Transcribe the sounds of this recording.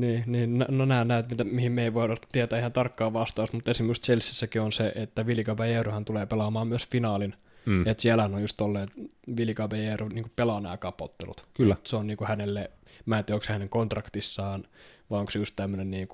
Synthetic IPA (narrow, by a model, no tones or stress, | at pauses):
niːniːnnnonæːnnæˑyt̪mit̪æmihimmeiʋoˑiɑt̪iet̪æːehænt̪ɑrkːɑːʋɑst̪ɑːst̪mut̪ːˑesimːejust̪t͡ʃelsːisːækionseʔet̪ːæʋiljikɑpæjeːruhænt̪uleːpelɑmɑːmmyøsfinɑːlin | et̪siælæhænojjust̪olːeːt̪ | ʋiljikɑpejeːruniːŋkupelɑnæ̰ːkɑpo̰t̪ːḛlṵt̪kyːæseonniːŋkuhænelːemæːˑt̪iokshæneŋkont̪rɑkt̪isːɑːnʋɑioŋksejust̪t̪æmːønenniːŋku